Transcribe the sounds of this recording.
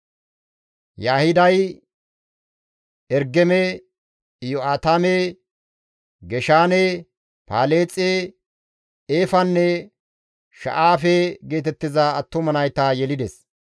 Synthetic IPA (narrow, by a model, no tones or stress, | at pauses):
jaːhɪd̪ɐj | ɛɾɡɛmɛ | joaːt̪amɛ | ɡɛʃaːnɛ | paːle̞ːt͡sʼːe | eːfɐnːɛ | ʃɐ̰ʔaːfɛɡe̞ːt̪ɛt̪ːɪzaːt̪ːʊmɐnɐjt̪ajɛlɪd̪ɛs